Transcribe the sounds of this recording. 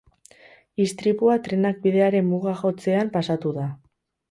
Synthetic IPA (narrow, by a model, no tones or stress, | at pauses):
ist̪ɾipuat̪ɾe̞nak̚biðe̞aɾe̞mmuɣaxo̞t͡se̞ampasat̪uða